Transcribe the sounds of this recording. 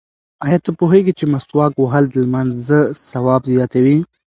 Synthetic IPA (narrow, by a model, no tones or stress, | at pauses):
ajat̪apoɦeɡit͡ʃemɐswɑːkwaɦald̪əlmanzzəsɐwɑːbd̪jɑt̪awi